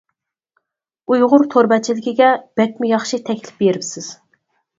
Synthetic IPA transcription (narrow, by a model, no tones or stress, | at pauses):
ujʁʊɾt̪ʰoɾbɛt͡ʃʰilɪkʲiɡʲɛb̥ɛk̚ʲmujɑχʃit̪ʰɛkʲlɪ̥p̚beɾɪpsɪz̥